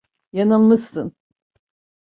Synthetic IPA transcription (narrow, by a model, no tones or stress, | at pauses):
jananmɯst̪ɯn